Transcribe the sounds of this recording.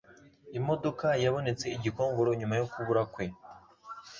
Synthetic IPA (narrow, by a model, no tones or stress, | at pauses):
imo̞do̞kajaβo̞ne̞t͡se̞iɟiko̞ːŋɡoɾoɲumajokuβuɾakwe̞